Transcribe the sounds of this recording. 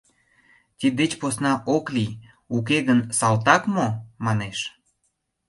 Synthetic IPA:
t̪ʲid̪et͡ɕposnɑʔokli | uk̬eɣənsɑlt̪̬ɑkmomɑneʃ

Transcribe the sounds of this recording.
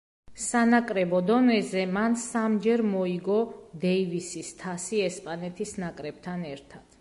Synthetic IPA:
sanakʼɾɛbɔd̪ɔnɛzɛmansamd͡ʒɛɾmɔiɡɔd̪ɛivisist̪ʰasiɛspʼanɛt̪ʰisnakʼɾɛb̥̚t̪ʰanɛɾt̪ʰad̪̥

